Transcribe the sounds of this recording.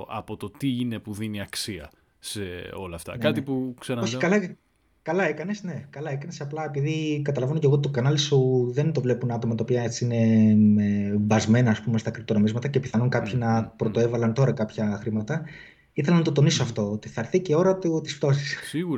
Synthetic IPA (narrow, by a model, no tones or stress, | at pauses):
ɐ̰pot̪ot̪iinepuðiniɐksiɐ̰ | seo̞lɐːft̪ɐ̰nkɐt̪ipuksɐnɐoçikɐlɐ | kɐlɐekɐne̞sne̞kɐlɐekɐnesɐplɐe̞piðikɐt̪ɐlɐvenoceɣot̪it̪okɐnɐlisuðe̞nt̪o̞vle̞punɐt̪o̞mɐt̪ɐopiɐe̞t͡siine̞ebɐzme̞nɐːspume̞st̪ɐkɾit̪ono̞mizmɐt̪ɐce̞piθɐnuŋkɐpçinɐpɾo̞t̪o̞e̞vɐlɐnt̪o̞ɾɐkɐpçɐxɾimɐt̪ɐ | iθelɐnɐt̪ot̪oniso̞ɐft̪o̞ot̪iθɐɾθiceo̞ɾɐt̪ut̪isft̪o̞si̥ssiɣuɾ